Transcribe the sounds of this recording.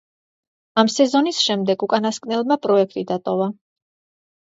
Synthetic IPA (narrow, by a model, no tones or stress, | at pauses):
amsɛzɔnisʃɛmd̪ɛɡukʼanaskʼnɛlˠmapʼɾɔɛkʰt̪ʼid̪at̪ʼɔva